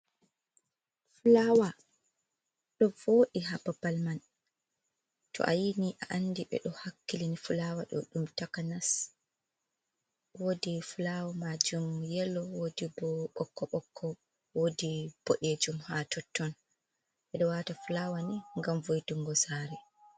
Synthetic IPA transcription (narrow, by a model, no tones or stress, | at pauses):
fulaːwa | ɗɔvoːɗiɦababalman | tɔ̰ʔa̰jiniʔaʔanːdiɓɛ̰ɗɔhakːilinifulaːwaɗɔ̰ɗumtakanas | wodifulawamad͡ʒumjɛlːɔwodibɔɓɔkːɔɓɔkʰːɔ | wodib̥oʔed͡ʒumhatʰɔtːɔn | ɓɛɗɔwatafulaːwaniŋɡamvojtuŋɡɔsaːɾɛ